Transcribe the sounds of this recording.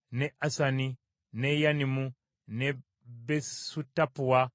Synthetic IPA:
nɛʔasani | nɛjanimu | nɛ | bɛsutapuwa

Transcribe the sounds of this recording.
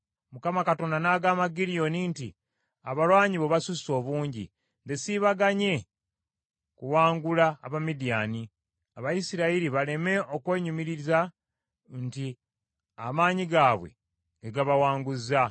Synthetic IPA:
mukamakato̞ndanaːɡaːmaɡiɾijo̞nintḭ | a̰βalwaːɲiβeβasuso̞ːβuːɲɟḭ | nde̞siβaɡaɲe̞ | kuwaːŋɡulaːβamidijaːni | aβajisiɾaiɾiβale̞me̞o̞kwe̞ːɲumiɾiza | nti | a̰maːɲiɡaːβwe̞̰ | ŋɡeɡaβawaːŋɡuzːa

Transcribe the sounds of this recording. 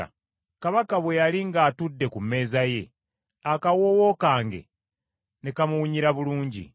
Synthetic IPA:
kaβakaβwejaliŋɡaːtudːe̞kumːe̞ːzaje̞ | akawowo̞kaːŋɡe̞̰ | nekamuwuɲiɾaβuluːɲɟḭ

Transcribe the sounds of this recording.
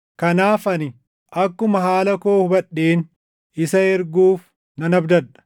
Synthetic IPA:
kɐnaːfɐnɪ | ʔɐkːʊmɐɦaːlɐkoːhʊbɐɗːeːn | ɪsɐɛɾɡuːf | nɐnɐbd̪ɐᶑɐ̥

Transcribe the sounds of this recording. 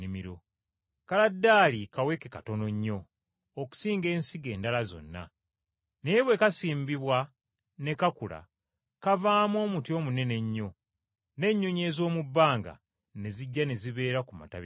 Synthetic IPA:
imiɾo̞ | kaladːaːlikawe̞kekato̞no̞ɲːo̞ː | ku̥siːŋɡe̞ːnsiɡe̞ːndalazo̰nːa̰ | neβwe̞kasiːmbiβwa | ne̞kakula̰ | kavaːmo̞ːmutio̞ːmune̞ne̞ɲːo̞ | ne̞ɲːoɲe̞ːzo̞ːmubːaːŋɡa̰ | ne̞ziɟːane̞ziβe̞ːɾakuma̰ta̰β

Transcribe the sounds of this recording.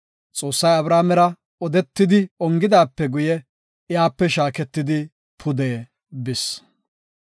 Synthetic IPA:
t͡sʼo̞ːsːɐjɐbɾaːmɛɾɐ | ɔd̪ɛt̪ːɪd̪ɪɔŋɡɪd̪aːpːɛɡʊjɛ | ɪjaːpːɛʃaːkɛt̪ːɪd̪ɪ | pʰʊd̪eː | bɪs

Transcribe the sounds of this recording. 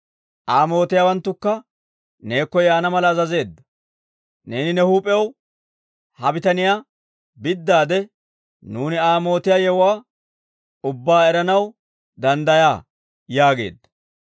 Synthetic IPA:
ʔaːmo̞ːt̪ɪjaːwɐnt̪ːʊkːɐ | ne̞ːkːɔjaːnɐmɐlɐːzɐze̞ːd̪ːɐ̥ | ne̞ːnɪnɛhuːpʼɛɛw | hɐbɪt̪ɐnɪjaː | bɪd̪ːaːd̪ɛ | nuːnɪaːmo̞ːt̪ɪjaːjɛwʊwaː | ʊbːaːɛɾɐnɐw | d̪ɐnd̪ɐjaː | jaːɡe̞̰ːd̪ːɐ̥

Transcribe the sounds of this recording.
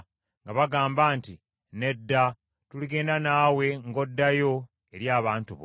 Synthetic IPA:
ŋɡaβaɡaːmbaːnti | ne̞dːa | tuliɡe̞ːndanaːwe̞ŋɡo̞dːajo̞ | e̞ɾjaːβaːntuβ

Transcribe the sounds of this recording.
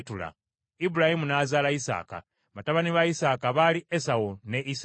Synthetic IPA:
tula̰ | ibulahimunaːzaːlaisa̰ːka̰ | mataβaniβaisaːkaβaliesaone̞ʔis

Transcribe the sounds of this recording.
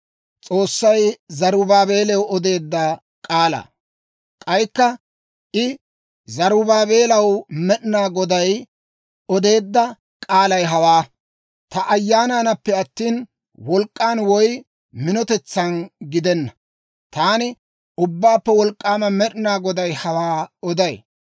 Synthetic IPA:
t͡sʼo̞ːsːɐjzɐɾʊbaːbe̞ːlɛwɔd̪e̞ːd̪ːɐ | kʼaːlɐ̰ | kʼɐjkːɐ | ʔɪ | zɐɾʊbaːbe̞ːlɐwmɛɗɪnaːɡɔd̪ɐj | ɔd̪e̞ːd̪ːɐ | kʼaːlɐjɦɐwaː | t̪ɐʔɐjːaːnanɐpːɛɐt̪ːiːn | wɔlkʼːaːnwɔj | mɪnɔt̪ɛt͡sːɐnɡɪd̪ɛnːɐ | t̪aːnɪ | ʊbːaːpːɛwɔlkʼːaːmɐmɛɗnaːɡɔd̪ɐjhɐwaːɔd̪ɐj

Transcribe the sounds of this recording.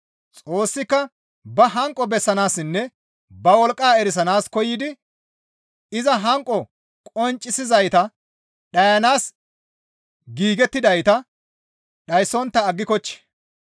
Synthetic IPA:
t͡sʼoːsːɪkːɐ | bɐɦɐŋkʼːɔbɛsːɐnaːsɪnːɛ | bɐwɔlkʼːaːɛɾɪs̬ɐnaːskɔjːɪd̪ɪ | ɪzɐɦɐŋkʼɔ | kʼɔnt͡ʃʼːɪsɪzɐjt̪ɐ | ɗɐjɐnaːs | ɡiːɡɛt̪ːɪd̪ɐjt̪ɐ | ɗɐjsɔnt̪ːɐːɡːɪkɔt͡ʃːɛ̥

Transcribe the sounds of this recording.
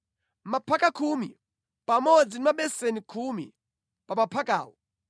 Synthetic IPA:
mapʰakakʰumi | pamɔd͡zinimaɓɛsenikʰumi | pamapʰaka̰ːwɔ

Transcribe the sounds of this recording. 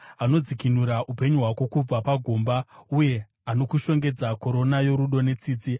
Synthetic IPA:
ano̞d͡zikinuɾaʔupe̞ɲuɦwako̞kub͡vapaɡʱo̞ːmbauje̞ | ano̞kuʃo̞ŋɡe̞d͡zako̞ɾo̞najo̞ɾuɗo̞ne̞t͡siːt͡si

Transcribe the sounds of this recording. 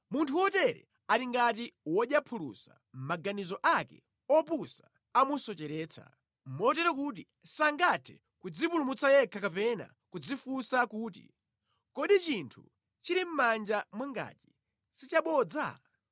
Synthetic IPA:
muntʰuwɔtɛɾɛ̰ | aɾiŋɡatiwɔɗjapʰulṵsa̰ | m̩maɡanizɔʔakɛ̰ | ɔpusa | amusɔt͡ʃɛɾɛːt͡sʰa̰ | m̩mɔtɛɾɔkut̬i | saŋɡatʰɛ̰ | kud͡zipulumut͡sajɛkʰakapɛna̰ | kud͡zifusakuːtḭ | kɔɗit͡ʃintʰṵ | t͡ʃiɾim̩mand͡ʒamwaŋɡa̰ti̥ | sit͡ʃaɓɔd͡za̰

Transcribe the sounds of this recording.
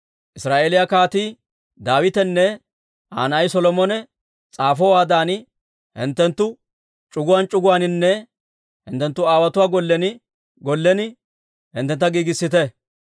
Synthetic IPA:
ʔɪsɾaːʔeːlɪjakaːt̪iː | d̪aːwɪt̪ɛnːɛ | ʔa̰ːnɐjsɔlɔmɔnɛ | t͡sʼaːfɔwaːd̪aːnɪ | hɪ̰nt̪ːɛnt̪ːʊ | t͡ʃʼʊɡʊwaːnt͡ʃʼʊɡʊwaːnɪnːɛ | hɪ̰nt̪ːɛnt̪ːʊaːwɐt̪ʊwaːɡɔlːɛnɪ | ɡɔlːɛnɪ | hɪ̰nt̪ːɛnt̪ːɐɡiːɡɪsːɪt̪ɛ

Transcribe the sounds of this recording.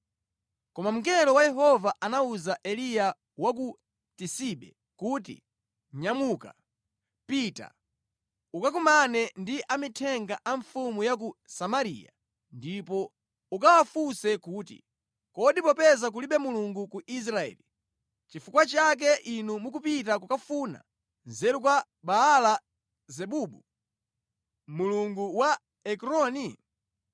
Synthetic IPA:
kɔmam̩kɛlɔwajɛɦɔvaʔanauzaʔɛlija | wak̬u | tisiɓɛ̰ | kuːt̬ḭ | ɲamuka̰ | pita̰ | ukak̬umanɛndiʔamitʰɛŋɡaʔaɱfumujak̬usamaɾḭja̰ | ndipɔ | ukawafusɛkuːtḭ | kɔɗipɔpɛzak̬uliɓɛmuluŋɡukuʔis̬ɾaɛ̰ːli | t͡ʃifukwat͡ʃak̬ɛʔinumukupit̬akukafuna̰ | nzɛɾukwa | ɓaːla | zɛɓuːɓu | muluŋɡuwa | ɛkɾɔni

